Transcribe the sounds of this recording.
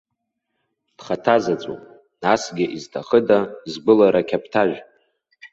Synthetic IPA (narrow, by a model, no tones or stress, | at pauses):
d̥χatʰazat͡sʷʼo̰ | nasɡʲɪʔiztʰaχədazɡ͡bʷɨlaɾakʲʰapʰtʰaʒʷᶣ